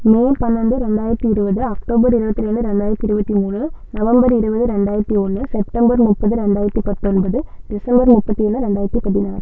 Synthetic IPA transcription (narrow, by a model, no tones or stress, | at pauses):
meːpɐnːɐnd̪ɯɾɛɳɖaːjɪɾɐt̪ːiɪɾɯbɐðɯɐkʈoːbɐɾɪɾɯbɐt̪ːieɳɖ̪ɯɾɛɳɖaːjɪɾɐt̪ːiɪɾɯbɐt̪ːimuːɳɯnɐʋɐmbɐɾɪɾɯbɐðɯɾɛɳɖaːjɪɾɐt̪ːiɔnːɯsɛp̚ʈɐmbɐɾmʊpːɐðɯɾɛɳɖaːjɪɾɐt̪ːipɐt̪ːɔnbɐðɯd̪ɪsɐmbɐɾmʊpːɐt̪ːieːnd̪ɯɾɛɳɖaːjɾɐt̪ːipɐðinaːn